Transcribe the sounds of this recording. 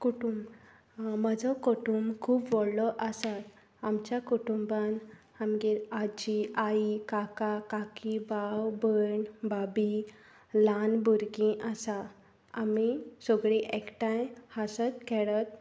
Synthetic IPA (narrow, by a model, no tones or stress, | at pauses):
kuʈum | məd͡zɔkɔʈumkʰuːbʋɔɽlɔʔasat̪ | amt͡ɕjakuʈumban | amɡiad͡ʑiaikakakakibawbəɳbabi | lanbʱuɾɡĩʔasa | amisɔɡɭiʔekʈãjhasət̪kʰɛɭət̪̚